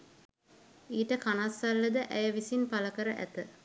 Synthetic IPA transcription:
iːʈəkanasːalːəd̪əʔæjəʋisinpaləkəɾəʔæ̰t̪ə

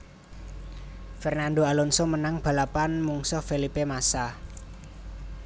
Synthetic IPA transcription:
fɛrnanɖoalɔnsɔmənaŋb̥a̤lapanmuŋsɔfelipemasa

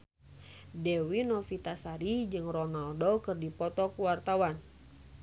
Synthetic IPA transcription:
dɛwinɔfit̪asaɾid͡ʒɨŋrɔnaldɔkɨrdipɔt̪ɔkuwart̪awan

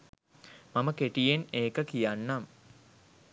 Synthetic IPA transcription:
maməkeʈijeneːkəkijanːam

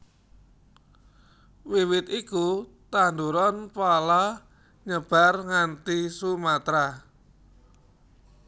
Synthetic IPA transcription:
wiwɪt̪ikut̪and̪uɾɔnpala | ɲəb̥a̤rŋant̪isumat̪ɾa

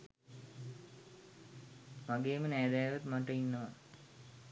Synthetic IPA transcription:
maɡeːmənæːd̪æːʋat̪maʈəinːəʋa

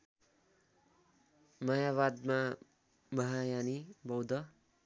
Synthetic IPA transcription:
mʌjaβad̪ma | mʱʌɦajanibʌwd̪ʌ

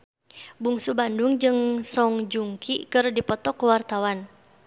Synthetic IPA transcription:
buŋsubanduŋd͡ʒɨŋsɔŋd͡ʒuŋkʰḭkɨrdipɔt̪ɔkəwart̪awan

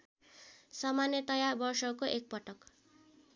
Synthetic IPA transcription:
sʌmanjʌt̪ʌjarbʌrsʌkoʔek̚pʌʈʌk

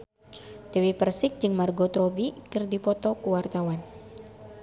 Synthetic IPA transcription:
d̥əwipərsɪk̚d͡ʒɨŋmarɡot̪ɾobikɨrdipɔt̪ɔkuwart̪awan

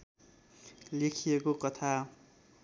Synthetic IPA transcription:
lekʰijekokʌt̪ʰa

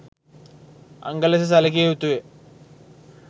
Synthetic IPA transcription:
ɐ̰ŋɡɐlɐs̬es̬ɐlɐk̬ʲːeut̪ːuʋe

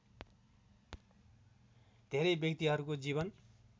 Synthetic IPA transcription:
d̪ʱeɾʌjbjʌkt̪iɦʌɾukod͡ziβʌn

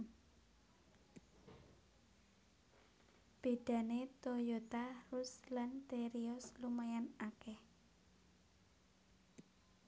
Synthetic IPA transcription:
b̥e̤ɖ̪̥a̤net̪ojot̪arʊslant̪eɾiɔslumajanakɛh

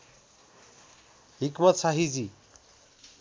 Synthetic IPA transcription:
ɦikmʌt̪saɦid͡zi

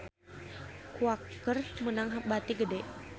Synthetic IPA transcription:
kuakːərmənaŋɦap̚bat̪iɡədɛʔ

